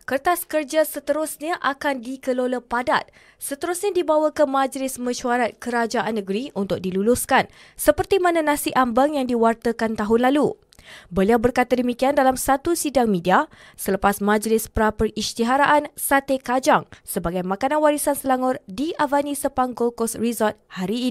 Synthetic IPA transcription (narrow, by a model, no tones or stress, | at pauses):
kərt̪askərd͡ʒasət̪əɾʊsɲaʔakandikəloləpadat̪̚ | sət̪əɾusɲadibawəkəmãd͡ʒlɪsmə̃ʃuaɾat̪̚kəɾad͡ʒaʔanːə̃ɡəɾiʔunt̪ʊk̚dilulʊskan | səpərt̪imãnãnãsiʔambaŋjaŋdiwart̪əkant̪aɦʊnlalu | bəliawbərkat̪adəmikiandalamsat̪usidaŋmĩdia | sələpasmãd͡ʒlɪspəɾapərist̪iɦaɾaʔansat̪ekad͡ʒaŋsəbaɡajmãkanãnwaɾisansəlaŋɔrdiʔavanĩsəpaŋɡokɔsrizɔt̪̚haɾiː